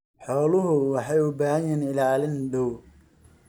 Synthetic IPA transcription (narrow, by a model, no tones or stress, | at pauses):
ħɔːlʊɦʊwɑħɑjʊbaːhɐjɛːnɪlaːlɪnd̪ɔw